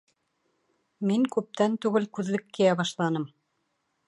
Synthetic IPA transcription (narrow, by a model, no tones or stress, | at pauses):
miŋkʉp̚t̪ænt̪ʉɡɘlkʉðlɘkːĭjæβɑʃlˠɑnɤm